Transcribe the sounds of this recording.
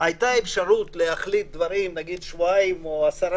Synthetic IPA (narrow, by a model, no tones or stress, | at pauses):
ajt̪aefʃaɾut̪lehaχlit̪̚d̪vaɾimnaɡid̪ʃvuaimoasaɾ